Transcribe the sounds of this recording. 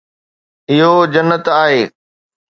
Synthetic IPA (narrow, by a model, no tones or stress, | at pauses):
ɪɦod͡ʑɐnːət̪aːɦeː